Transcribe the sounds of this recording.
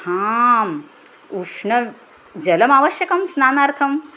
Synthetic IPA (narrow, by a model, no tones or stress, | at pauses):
haːm | uʂɳɐ | d͡ʑɐlɐmaːʋɐʃjɐkɐmsnaːnaɾt̪ʰɐm